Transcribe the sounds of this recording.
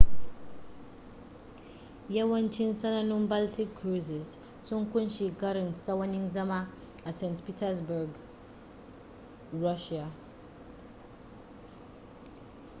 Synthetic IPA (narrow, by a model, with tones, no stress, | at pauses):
jɐ˦wɐ˦nt͡ʃɪ˦nsɐ˦nɐ˦nʊ˦mba˦ltɪ˦kːɾu˦sɪ˨s | sʊ˦ŋkʷʊ˦nʃi˨kɐ˦ɾɪ˨nsɐ˦wɐ˦nɪ˦nzɐ˦maː˦ | ʔa˨sɛ˦˨ntpi˦tɐ˦sbʊ˨ɾɡ | ɾɐ˦ʃa˨